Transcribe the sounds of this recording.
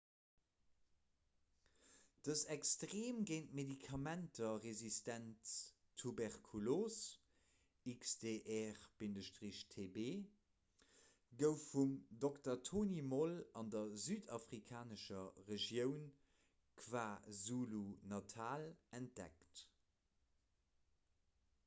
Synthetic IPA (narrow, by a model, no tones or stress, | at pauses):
d̥əsækstʁeːmɡeɪnt̚medikʰɑmæntʰɐʁezistæntʰː | ubɛʁkʰulos | iksdeʔɛʁb̥indəʃtʁiɕtʰebeː | ɡəʊfːumdoktɐtʰoːnimolɑndɐzyːdɑfʁikʰaːnəʃɐʁeʒjəʊn | kʰv̥aːzulunɑtʰaːlænt̚d̥ɛ̰kt